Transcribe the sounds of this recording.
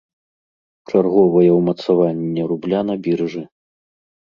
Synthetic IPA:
t͡ʂarɣɔvɐjɐwmɐt̪savanʲːɛɾublʲanɐbʲirʐɨ

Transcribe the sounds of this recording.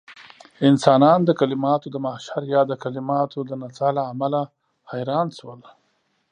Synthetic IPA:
ɪnsɑnɑnd̪əkalɪmɑt̪od̪əmaʃaɾjɑd̪əkalɪmɑt̪ʰod̪ənat͡salaːmala | hajɾɑnʃwəl

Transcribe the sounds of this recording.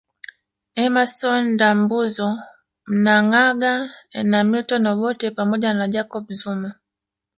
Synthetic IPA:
ɛmasɔndambuzɔ | m̩naŋaɡanamitɔnɔɓɔtɛpamɔɟanad͡ʒakɔbzuma

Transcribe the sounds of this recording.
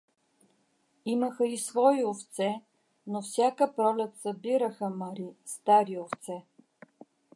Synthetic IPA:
imɐxəisvɔiʊft̪sɛ | nofsʲakəpɾɔlɛt̪sɐbiɾəxəmɐɾist̪aɾioft̪sɛ

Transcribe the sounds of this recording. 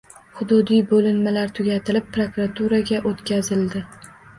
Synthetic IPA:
χʊd̪ʊd̪ijbolɪnmalaɾt̪ʰʊɡʲat̪ʰɪlɪp̚pːɾokɾat̪ʰuɾaɡʲaʔot̪kʲʰazɪld̪ɪ

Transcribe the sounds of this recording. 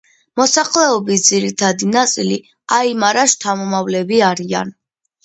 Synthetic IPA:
mɔsaχlɛɔbisd̪ziɾit̪ʰad̪inat̪sʼili | aimaɾaʃt̪ʰamɔmavlɛbiaɾia̰n

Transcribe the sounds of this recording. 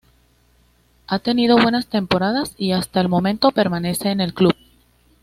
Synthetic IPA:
at̪e̞nið̞o̞βwe̞nast̪e̞mpo̞ɾað̞asiast̪aelmõ̞mẽnt̪o̞pe̞ɾmane̞se̞ːne̞lkluβ̚

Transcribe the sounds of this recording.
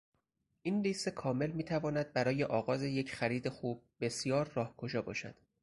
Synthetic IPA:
ʔiːnliːst̪e̞kʰɒːme̞lmiːt̪ʰævɒːnæd̪̚bæɾɒːjeʔɒːɣɒːze̞je̞cʰxæɾiːd̪e̞xuːb̚ːe̞sjɒːɾːɒːhkʰo̞ʒɒːbɒːʃæ̰d̪̥

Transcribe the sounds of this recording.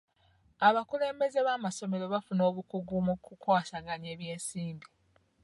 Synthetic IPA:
aβakule̞ːmbe̞ze̞βaːmaso̞me̞ɾo̞βafuno̞ːβukuɡumukukwaːsaɡaɲe̞ːβje̞ːnsiːmbi

